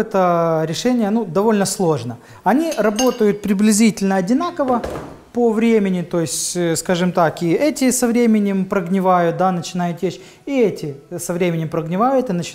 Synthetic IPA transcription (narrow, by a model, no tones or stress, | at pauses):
ɛt̪əɾʲɪʂɛnʲɪjənud̪ɐvo̞lʲnəslˠo̞ʐnə | ɐnʲirɐbo̞t̪əjʊt̪̚pɾʲɪblʲɪzʲitʲɪlʲnəɐdʲɪnakəvə | pəvɾʲemʲɪnʲɪt̪o̞jɪsʲtʲskaʐɨmt̪akiɛtʲɪsɐvɾʲemʲɪnʲɪmpɾəɡnʲɪvajʊt̪̚d̪anət͡ɕɪnajʊt̪jeɕ | iɛtʲɪsɐvɾʲemʲɪnʲɪmpɾəɡnʲɪvajʊt̪ɨnət͡ɕɪ